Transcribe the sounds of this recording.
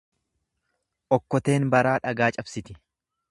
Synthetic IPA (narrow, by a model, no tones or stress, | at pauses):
ʔɔkːɔt̪e̞ːnbɐɾaːᶑɐɡaːt͡ʃʼɐbsɪt̪ɪ